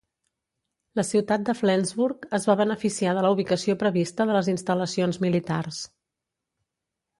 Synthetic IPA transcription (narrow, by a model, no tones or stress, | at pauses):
ləsiwt̪at̪̚d̪əflɛnzβuɾkəzβaβənəfisiaðələuβ̞ikəsiopɾəβist̪əðələzinst̪ələsionzmilit̪ars